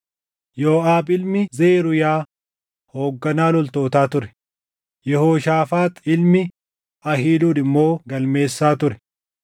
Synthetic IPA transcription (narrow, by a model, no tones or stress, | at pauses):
joːaːbɪlmɪzeːɾʊjaː | hoːɡːɐnaːlɔlt̪o̞ːt̪aːt̪ʊɾɛ̥ | jɛhoːʃaːfaːt̪ɪlmɪ | ɐhiːluːnɪmːo̞ːɡɐlme̞ːsːaːt̪ʊɾɛ̥